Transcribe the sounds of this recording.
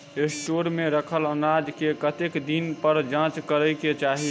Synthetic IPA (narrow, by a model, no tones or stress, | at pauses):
eʈoɾmeɾəkʰələnad͡ʒkekət̪ekd̪inpəɾd͡ʒãt͡ʃkəɾəjket͡ʃaɦi